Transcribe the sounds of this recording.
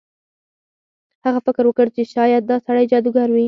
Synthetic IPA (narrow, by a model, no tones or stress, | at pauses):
haɣafɪkɾwəkəɽt͡ʃeʃɑjad̪̚d̪ɑsaɽajd͡ʒɑd̪uɡɑɾwi